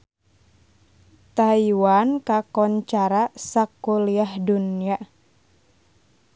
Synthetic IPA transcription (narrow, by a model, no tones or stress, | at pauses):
t̪aiwankakɔɲt͡ʃaɾasakuliahdunia